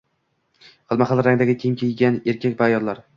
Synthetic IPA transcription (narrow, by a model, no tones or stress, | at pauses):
χɨlˠmaχalˠɾaŋd̪aɡʲɪkʲʰemkʰʲejɡʲane̞ɾkʲʰakʲbaːjɒd̪laɾ